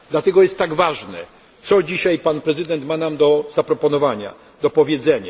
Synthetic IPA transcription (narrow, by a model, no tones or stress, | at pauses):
d̪lat̪ɛɡɔjɛst̪ːaɡvaʐnɛ̰ | t̪sɔd͡ʑiɕajpanpɾɛzɨd̪ɛnt̪manamd̪ɔzapɾɔpɔnɔvaɲa̰ | d̪ɔpɔvʲjɛd̪zɛɲa